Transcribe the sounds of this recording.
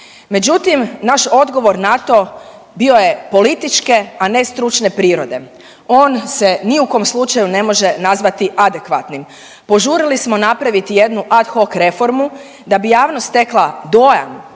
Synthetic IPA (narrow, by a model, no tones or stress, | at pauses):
me̞d͡ʑut̪imnaʃo̞d̪ɡo̞ʋo̞ɾnat̪o̞ | bio̞je̞po̞lit̪it͡ʃke̞ane̞st̪ɾut͡ʃne̞pɾiːɾo̞d̪e̞̰ | o̞ːnseniukoomslˠut͡ʃajune̞mo̞ʒe̞nazʋat̪iʔad̪e̞kʋat̪nim | po̞ʒuɾilismo̞napɾaʋit̪ijed̪nuʔad̪xo̞kɾe̞fo̞ɾmu | d̪abijaːʋnost̪t̪e̞klˠad̪o̞ja̰nu